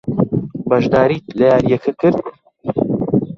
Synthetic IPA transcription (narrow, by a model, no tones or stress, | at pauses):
bɐʒd̪aːɾiːt̪lɐjaːɾijɛkʰɐkʰɨɾd̪